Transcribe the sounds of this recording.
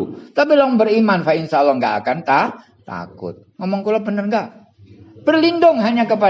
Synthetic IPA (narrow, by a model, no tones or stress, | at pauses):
t̪ap̬ilaŋbərimanfaɪnsaalːahŋɡaa̰kant̪a | t̪a̰kʊ̰t̪̚ŋamaŋkulabənərŋɡaʔ | b̥ərlindʊŋɦaɲakəp̬a